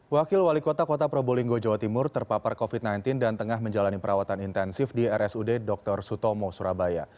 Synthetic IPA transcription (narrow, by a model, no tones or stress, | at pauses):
wakɪlwalikot̪akot̪apɾoboliŋɡod͡ʒawat̪imʊrt̪ərpaparkofit̪̚najnt̪ɪndant̪əŋahməɲd͡ʒalanipəɾʔawat̪anint̪ɛnsɪfdiɛɾʔɛsudedɔk̚t̪ɔrsut̪ɔmɔsuɾabaja̰